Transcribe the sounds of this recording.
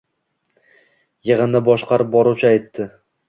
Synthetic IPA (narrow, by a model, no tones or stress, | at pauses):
jɨʁɨnd̪abɒʃqʰɑɾɪp̚bɒɾuwt͡ʃʰaajt̪ʰːɪ